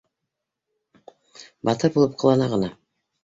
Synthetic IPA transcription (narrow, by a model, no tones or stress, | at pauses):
bɑt̪ɤɾbulˠɤp̚qʰɤ̆lˠɑnɑʁɤ̆nɑ